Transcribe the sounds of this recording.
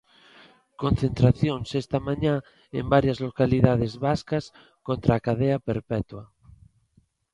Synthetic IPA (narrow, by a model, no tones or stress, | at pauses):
kõnθent̪ɾaθjonsest̪amãɲa | ḛmbaɾjazlokaliðað̞ezβaskas | kont̪ɾaːkaðeapeɾpɛt̪wa